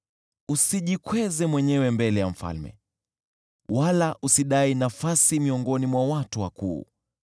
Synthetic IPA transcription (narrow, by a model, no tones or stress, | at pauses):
usiʄikwɛzɛmwɛɲɛwɛmbɛlɛjam̩fa̰lmɛ̰ | walaʔusiɗainafasimiɔŋɡɔnimwawatuwakṵː